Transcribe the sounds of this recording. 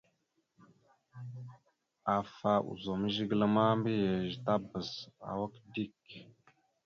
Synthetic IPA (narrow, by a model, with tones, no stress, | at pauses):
a˨fa˨ʔṵ˨zo˨mə˦ʒi˦ɡlə˦ma˦mbə˦je˨ʒi˨ta˦bə˨za̰˨wə˦kdi˦˨k